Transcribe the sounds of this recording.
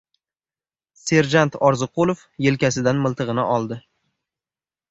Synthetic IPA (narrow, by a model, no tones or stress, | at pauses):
se̞ɾd͡ʒant̪ɒɾzɨqolˠofje̞lkʲasɪd̪anmɪlˠt̪ʰɨʁɨnɪ̰ʔɒlˠd̪ɪ